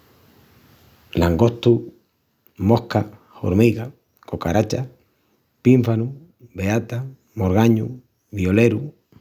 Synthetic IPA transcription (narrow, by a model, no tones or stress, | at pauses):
laŋɡoht̪u | mohka | o̰ɾmiɣa | kokaɾat͡ʃa | piɱfanu | βeat̪a | moɾɣaɲu | βjoleɾu